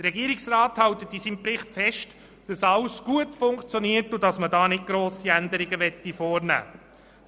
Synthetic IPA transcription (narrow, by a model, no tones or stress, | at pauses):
dərɾɛɡiːəɾɪksrɑːthɑwt̪ət̪isiːmprɪχtfɛʃt | d̥ɑsɑlsɡ̥uətfʊŋkt͡sjɔniːəɾtʊdɑsmədɑːnɪt̚ɡ̥ɾoːsiænd̪əɾɪɡəʋɛtːifɔːrnæ̰ː